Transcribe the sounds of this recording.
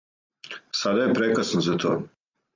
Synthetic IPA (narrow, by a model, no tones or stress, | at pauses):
sad̪ajepɾekasnozat̪ʰo̰ː